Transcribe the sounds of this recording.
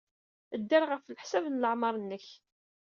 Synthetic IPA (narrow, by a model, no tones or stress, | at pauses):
əd̪ːæɾʁəfləħsævnləʕmɑɾˤənːəç